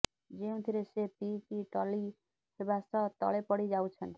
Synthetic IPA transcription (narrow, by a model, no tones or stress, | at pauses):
d͡ʒeũt̪ʰiɾesepikiʈʌli | kʰebasʌt̪ʌ̰lepʌɽid͡ʒawt͡sʰʌnt̪ʰi